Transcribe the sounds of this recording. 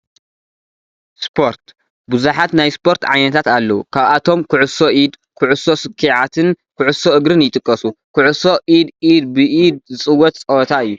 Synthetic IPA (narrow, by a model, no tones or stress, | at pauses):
spʰo̞ɾt̪ | bɨzuħat̪najspʰo̞ɾt̪ʕa̰jnɐt̪ʰat̪alːɐwukʰaβat̪ʰo̞mkʰɨʕʊso̞ʔid̪ | kʰʊʕʊso̞sɨkʰːiʕat̪ʰɨn | kʰʊʕʊso̞ʔɨɡɾɨnjɪt̪ʼɨkʼːɐsukʰʊʕʊso̞ʔid̪ʔid̪bɨʔid̪̚zɨt͡sʼɨwːɔt̪t͡sʼɐwɔt̪ʰaɨjːu